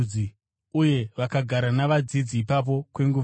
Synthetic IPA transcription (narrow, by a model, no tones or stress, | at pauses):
i | uje̞ʋakaɡʱaɾanaʋad͡zid͡ziːpap̬o̞kwe̞ŋɡuʋ